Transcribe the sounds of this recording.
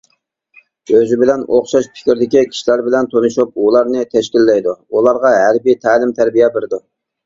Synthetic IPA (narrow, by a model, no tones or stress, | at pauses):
øzɪbɪlɛnoχʃɑʃpʰɪ̥kʲɾɪd̪ɪkʲikʲʰi̥ʃlæɾbɪlɛnt̪ʰonɨʃup̚ulˠɑɾnɨt̪ʰɛʃkʲilːɛjd̪uulˠɑɾʁɑɦæɾbit̪ʰæːlɪmt̪ʰæɾbijɛbeɾɪd̪u